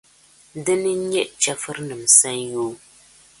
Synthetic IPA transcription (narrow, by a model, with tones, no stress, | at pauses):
dɨ˦nɨ˦ɲɛ˦ʔt͡ʃɛ˦fɨ˦ɾnɨ˨msa˦njoː˦